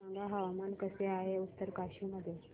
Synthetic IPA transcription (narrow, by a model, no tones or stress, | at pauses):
aŋɡaɦəʋamankəseaɦeut̪ːəɾkaɕiməd̪ʱːje